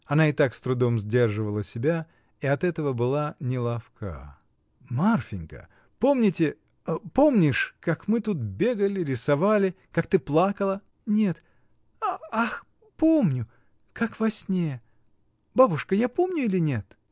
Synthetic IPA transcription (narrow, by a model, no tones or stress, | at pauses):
ɐnaɪt̪akst̪ɾʊd̪o̞mzʲdʲe̞rʐɨvəlˠəsʲɪbʲa | iɐt̪ɛt̪əvəbɨlˠanʲɪlˠɐfkʰa̰ | marfʲɪnʲkə̰ | po̞mnʲɪtʲɪ | apo̞mnʲɪʂkakmɨt̪ut̪̚bʲe̞ɡəlʲɪɾʲɪsɐvalʲɪ | kak̚t̪ɨplˠakəlˠə | nʲe̞t̪ | aax | po̞mnʲʊ | kakvɐsʲnʲejə | babʊʂkəjapo̞mnʲʊilʲɪnʲe̞t̪